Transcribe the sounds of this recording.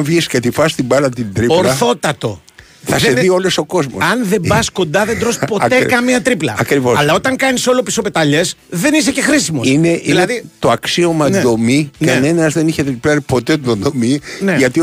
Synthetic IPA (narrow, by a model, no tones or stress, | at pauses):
vʝiscet̪ifɐst̪ibɐlɐt̪ind̪ɾipolɾɐθo̞t̪ɐt̪o̞̰ | θɐseðio̞loso̞ko̞zmosɐnðe̞bɐsko̞nd̪ɐðed̪ɾo̞spo̞t̪ekɐmiɐt̪ɾiplɐ̰ɐkɾivosɐllɐo̞t̪ɐŋkɐniso̞lopiso̞pe̞t̪ɐʎe̞sðenis̬ece̞xɾisimoineʔiilnɐðt̪oɐksio̞mɐzðo̞mikɐne̞nɐzðe̞niçe̞t̪ɾiplɐɾipo̞t̪ed̪ond̪omineʝɐt̪i